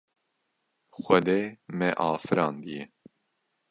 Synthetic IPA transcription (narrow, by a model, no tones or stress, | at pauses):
xʷɛd̪eːmɛʔɑːfɨɾɑ̃ːnd̪ijɛ